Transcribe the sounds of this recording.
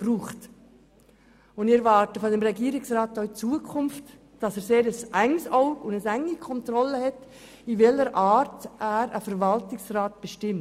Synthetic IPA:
b̥ɾuːχt | ʊndɪɛɾvɑːɾtəfɔdɛmɾɛɡiːɾɪksrɑːtœʏt͡suːəkʰʊmft | d̥ɑsɛːɾseːɾəsʔæŋsaʊkʊndəsæŋikʰɔntɾɔləhɛt | ivɛləɾʔɑːɾtæːɾəfəɾvɑltɪksrɑːt̚b̥eʃtɪm

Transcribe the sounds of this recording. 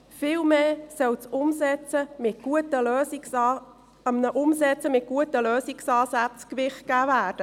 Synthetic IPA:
fɪːlmeːsœlt͡sʊmsɛt͡səmɪtɡ̥uətəløːsi | əmnəʔʊmsɛt͡səmɪt̚ɡ̥uət̪əløːsiksɑːsæt͡skʋɪχt̚ɡ̥æːvæːɾd̥ə

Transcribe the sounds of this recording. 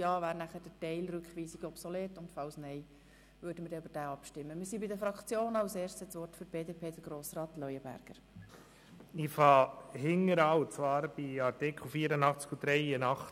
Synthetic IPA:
jɑːvæːɾnæχəɾd̥ətɛɪlɾʏkχʋiːsiɡɔpsɔleːtʊndfɑlsnɛɪ | ʋøːɾd̥əməɾdɛybəd̥æːɑpʃtɪmːəmɪsibɪdəfɾɑkt͡sjoːnɑʊseːrʃtət͡sʋɔrtfʏɾt̚b̥eːdepʰeːdəɡ̥ɾoːsrɑːtlɔjəbæ̰ɾɡ̥əɾ | ɪfɑːhɪŋəɾɑwt͡svɑːɾbiɑɾtɪkχl̩ˠfiːəɾənɑχt͡skud̪ɾɛɪənɑχt

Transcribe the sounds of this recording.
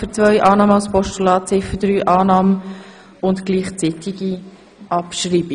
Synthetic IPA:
fʏɾt͡svœʏʔɑːnɑːməaspʰɔʃtulɑːtt͡sɪfədɾyːʔɑːnɑːmə | ʊntɡ̥liːχt͡sɪtʰiɡi | ɑpʃriːbi

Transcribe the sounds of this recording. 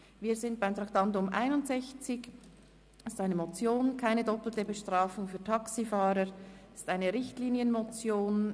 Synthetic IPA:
viːzɪnt̚b̥aɪmt̪ɾɑktɑndʊmʔa̰ɪnʊntz̥ɛçt͡sɪç | ɪstʔaɪnəmot͡sjoːnkʰaɪnədɔpl̩təbəʃtʁ̥aːfʊŋfyːɐtʰɑksifaːɾəɾɪstaɪnəɾɪçtliːnjənmot͡sjoːn

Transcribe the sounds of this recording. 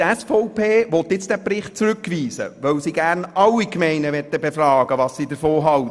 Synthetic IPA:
ɛsfɔʊpeːʋɔt̪ɪt͡sd̥æprɪχt̚t͡sɾʏkːʋiːsə̰ʋœwsiɡæɾnɑlːikmɛɪnəʋɛtːəbefrɑːɡəʋɑssidəɾfoːɦɑw

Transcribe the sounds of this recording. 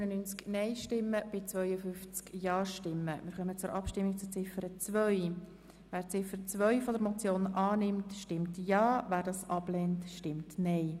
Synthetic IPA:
nənyːnt͡sknɛɪʃtɪmːəb̥ɪt͡sʋœʏəfʏft͡skjɑːʃtɪmːəmɪɾχœmət͡sʊɾʔɑpʃtɪmːik̚t͡sʊt͡sɪfəɾət͡sʋœʏ | ʋæːɾt͡sɪfəɾt͡sʋœɥfɔdəɾmɔt͡sjoːnʔɑːnɪmtʃtɪmtjɑːvæːɾdɑːsɑblɛːntʃtɪmtnɛɪ

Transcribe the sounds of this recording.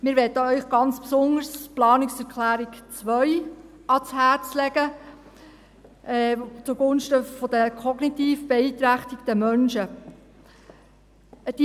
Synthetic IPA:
mɪːɾʋɛtːəœʏχɡ̥ɑnt͡spsʊndəɾsplɑːnɪksɛɾkʰlæːɾikt͡sʋœʏ | ɑt͡shæːɾt͡slɛɡ̥ə | ɛt͡suɡʊnʃtəfod̪əkʰɔɡnitiːfb̥eiːt̪ɾæχtɪkt̪əmœnʃə | d̥i

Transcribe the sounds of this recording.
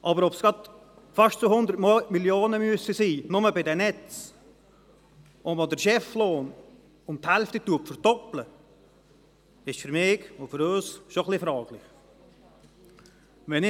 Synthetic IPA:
ʔɑbəɾɔpsɡ̥ɑd | fɑʃtt͡suhʊnd̪əɾtmmiljoːnəmyəsisiːnʊməbɪdɛnɛt͡s | ʔʊndʋod̪əɾʃɛfloːn | ʊntthɛlftit̪uəpfəɾd̥ɔplə | ɪʃfʏɾmɪːɡʊfʏɾøːsʃoχlifɾɑːɡ̥lɪχ | ʋɛnɪ

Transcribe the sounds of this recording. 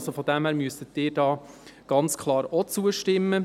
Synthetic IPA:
sofɔdæmhæːɾmyəstətdɪːɾd̥ɑː | ɡ̥ɑnt͡skʰlˠɑːɾɔt͡suəʃtɪmːə

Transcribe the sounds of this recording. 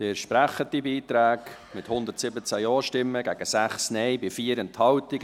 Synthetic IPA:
d̥ɪɛʃpɾæχətdibiːt̪ɾaːkmɪthʊnd̪ərtsɪbət͡sæjɔːʃtɪmːəɡæɡ̥əsæχsnɛjbɪfiːəɾɛnt̪hɑwt̪ɪɡ

